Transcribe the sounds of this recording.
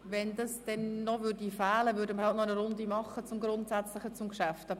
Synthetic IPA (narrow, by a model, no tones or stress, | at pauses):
ʋɛndɑsd̥ɛnːɔvʏrdifæːləvʏːɾdəməɾhɑltnɔnəɾʊndimɑχːət͡sʊmɡɾʊntsæt͡slɪχət͡sʊmkʃæftɑ